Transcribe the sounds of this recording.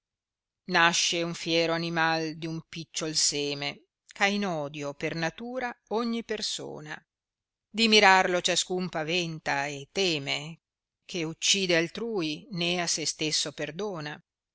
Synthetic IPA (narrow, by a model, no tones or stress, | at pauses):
naʃːeuɱfjɛːɾoanimald̪iumpit͡ʃːolsɛːme | kainɔːd̪jopernat̪uːɾaɔɲːiperso̰ːna̰ | d̪imiɾarlot͡ʃaskumpavɛnt̪aet̪ːɛːme | kʰeut͡ʃːiːd̪ealt̪ɾuːineasːest̪esːoperd̪oːna